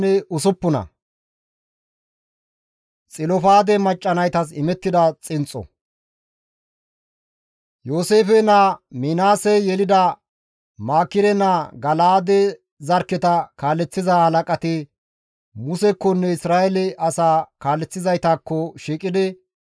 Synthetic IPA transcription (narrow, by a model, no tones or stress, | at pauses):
ɛʊsʊpːʊnɐ̰ | t͡sʼɪlɔfaːd̪ɛmɐt͡ʃʼːɐnɐjt̪ɐs̬ɪmɛt̪ːɪd̪ɐt͡sʼɪnt͡sʼɔ̰ | joːseːfɛnɐmɪnaːsɛjɛlɪd̪ɐ | maːkːɪɾɛnɐɡɐlaːd̪ɛ | zɐɾkːɛt̪ɐkaːlːɛt͡sːɪzahɐlɐkʼɐt̪ɪ | mʊsɛkːɔnːɛɪsɾaːʔɛlɪʔɐsaːkaːlːɛt͡sːɪzɐjt̪akːɔʃiːkʼɪd̪ɪ